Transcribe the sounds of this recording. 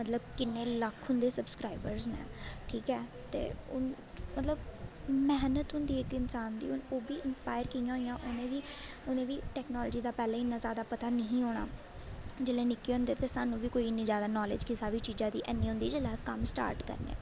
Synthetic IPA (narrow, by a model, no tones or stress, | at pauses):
mət̪ləbkɪneːləkʰɦʊnd̪eːsəbskɾaːiɪbəɾznḛ̃ːʈʰiːkɛː | t̪ḛːʊn | mət̪ləbmɛːnət̪ɦʊnd̪iːɪkɪnsaːnd̪ḭːʊnoːbiːɪnspaːɪəɾkijãːɦoːijãːʔʊnẽːʋiː | ʊnẽːʋiːʈɛːknɔːlːd͡ʒiːd̪aːpɛːlãːɪnːãːzjaːd̪aːpət̪aːnəɦĩːɦoːɽ̃a̰ː | d͡ʒeːleːnɪkːeːɦõːnd̪eːt̪eːsaːnːũːʋiːkoːiɪnːĩːzjaːd̪aːnɔːlɪ̰ːd͡ʒkɪsaːʋiːt͡ʃiːzãːd̪ḭːʔɛnːĩːɦʊ̃nd̪iːd͡ʒeːlaːskamsʈa̰ːɾʈkə̰ɾnḛ̃ː